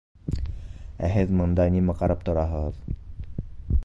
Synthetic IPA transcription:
æ̰ɦet͡smənd̪aniːməkaɾəp̚t̪əɾaɦət̪

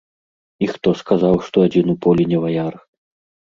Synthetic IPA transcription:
ixt̪ɔskazawʂt̪ɔad͡zʲinupɔlʲinʲɛvajar

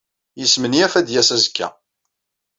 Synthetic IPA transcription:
jəsməniæfæd̪jæsæzəkʰːæ̰

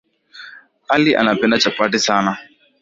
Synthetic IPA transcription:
alɪʔa̰nabɪnat͡ʃapadɪsana

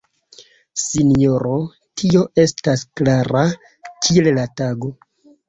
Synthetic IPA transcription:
sinijo̞ɾo̞ | tʰio̞ʔe̞stasklaɾa | kʰiellataɡo̞

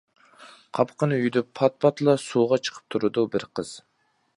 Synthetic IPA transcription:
qʰɑpqənyjd̪ypʰɑt̪̚pʰɑt̪lˠɑsuːʁɑt͡ʃʰə̥qʰə̥p̚t̪ʰuɾud̪ubɪɾqʰəz̥

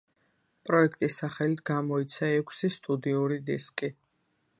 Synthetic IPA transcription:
pʼɾɔɛkʰt̪ʼisaχɛlit̪ʰɡamɔit̪sʰaɛkʷʰsist̪ʼud̪iuɾid̪iskʼi

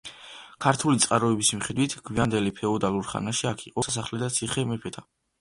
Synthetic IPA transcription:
kʰaɾt̪ʰulit̪sʼqʼaɾɔɛbismiχɛd̪wit̪ʰɡʰviand̪ɛlipʰɛɔd̪aluɾχa̰naʃiakʰiqʼɔasaχlɛd̪at̪sʰiχɛmɛpʰɛt̪ʰa

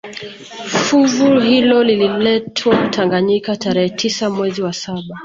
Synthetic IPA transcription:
fuvuhilɔlililɛtʰwautʰaŋɡaɲikataɾɛhɛtʰisamwɛziwasaɓa

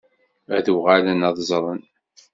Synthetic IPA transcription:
æðuʁalənɑðˤzˤɾˤən

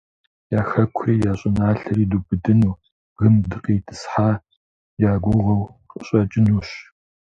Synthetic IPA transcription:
jaːxɐkʷʰriːjaːɕʼɪnaːɬɐɾiːduːbɨdɨnuː | ɣɨmdɨqʼiːtʰɨ̥sħaː | jaːɡʷʊʁɐwqʼəɕʼɐt͡ʃʼɪnuːɕ

